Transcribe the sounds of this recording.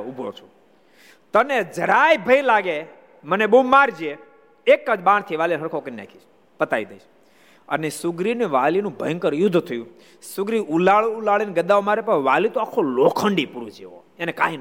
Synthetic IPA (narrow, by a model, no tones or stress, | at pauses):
ubʱo̰ɾt͡ʃʰo | t̪əned͡ʒəɾajbʱəilaɡe | mənebumːaɾd͡ʒie | ekːəd͡ʒbãɳ̃t̪ʰiʋalinɦəɾkʰokənina̰kʰit͡ʃʰ | pət̪aid̪əit͡ʃ | ənesʊɡɾineʋalinũbʱə̰jŋkəɾjʊd̪ʱːt̪ʰəjũ | sʊɡɾiʔulaɭulaɭinɡəd̪aomaːɾepəʋalit̪oakʰolokʰəɳɖipuɾud͡ʒeʋo̰ | enekaɦin